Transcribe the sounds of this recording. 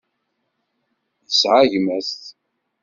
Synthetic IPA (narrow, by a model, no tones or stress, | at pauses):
jəsʕaʝmæst̪